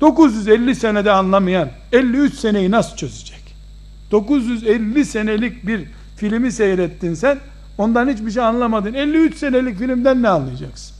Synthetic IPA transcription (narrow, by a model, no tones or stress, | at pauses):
d̪̥o̞kuzjyzɛlʲːise̞nɛd̪ɛanlˠamajan | ɛlʲːiyt͡ʃse̞nejinasɯ̥t͡ʃʰø̞ze̥d͡ʒɛ̥c | d̪̥o̞kuzjyzɛlʲːisenelʲic̚biɾ | filʲimisejɾɛt̪ːinsæn | o̞nd̪anhit͡ʃbiʃ̬ejanlˠamad̪ɯnɛlʲːiyt͡ʃse̞nelʲicfilʲimd̪ænːɛanlːˠɯjad͡ʒaksɯ̥n